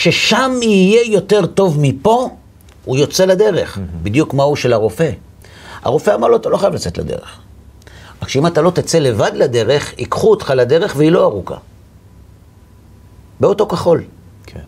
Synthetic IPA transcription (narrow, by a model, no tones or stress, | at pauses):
ʃe̞ʃamiːje̞jo̞te̞ʁto̞vmipo̞ | ujo̞t͡se̞lad̪e̞ʁe̞χbid̪jukmauʃelaʁo̞fe̞ | a̰ʁo̞fe̞amaʁlo̞at̪aloχajavlat͡set̪la̰d̪ḛʁḛχ | akʃeimatalo̞t̪at͡se̞le̞vad̪lade̞ʁe̞χikχuot̪χalad̪e̞ʁe̞χveilo̞aʁuka̰ | beo̞to̞kaχo̞l